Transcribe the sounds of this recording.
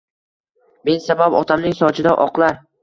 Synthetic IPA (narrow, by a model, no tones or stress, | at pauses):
me̞nsabapɒt̪ʰamnɪŋsɒt͡ʃʰɪd̪aʔɒqlˠaɾ